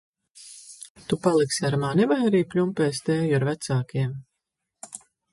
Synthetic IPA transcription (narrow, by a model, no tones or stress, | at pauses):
t̪upalˠiksaɾmaːnɛvajaɾiːpʲlʲumpɛːst̪ɛːjaɾvæt̪saːkiɛm